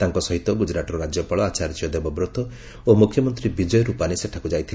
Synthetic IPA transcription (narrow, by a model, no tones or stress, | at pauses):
t̪aŋkɔsɔɦit̪ɔɡud͡ʒɾaʈɔɾɔɾad͡ʒjɔpaɭɔat͡ʃaɾt͡ʃijɔd̪ebɔbɾɔt̪ɔ | omukʰjɔmɔnt̪ɾibid͡ʒɔjɔɾupaniseʈʰakud͡ʒajt̪ʰil